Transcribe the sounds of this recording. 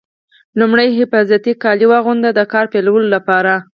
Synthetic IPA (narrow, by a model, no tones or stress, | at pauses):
lumɽəjɦɪfɑzat̪ikɑliwɑɣʊnd̪ad̪əkɑɾpelawəlolapɑɾa